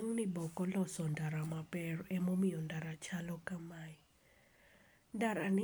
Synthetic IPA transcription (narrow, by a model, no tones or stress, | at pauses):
ŋnibɔkɔlɔsɔndaɾamapɛrɛmomijɔndaɾat͡ʃalɔkamai | ndaɾanɪ